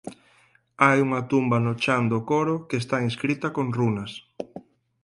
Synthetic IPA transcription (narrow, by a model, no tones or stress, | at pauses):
ajuŋɐt̪umbɐnot͡ʃand̪okoɾʊkes̬t̪aiskɾit̪ɐkoŋrunɐs